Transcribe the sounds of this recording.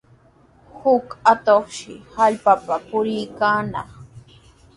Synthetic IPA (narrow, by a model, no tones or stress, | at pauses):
hʊkat̪oχʃɪ̰haʎpapapʊɾɪjkaːnɑ̰χ